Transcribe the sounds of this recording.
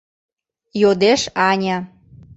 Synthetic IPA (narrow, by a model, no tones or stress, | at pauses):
jod̪eʃɑnʲɑ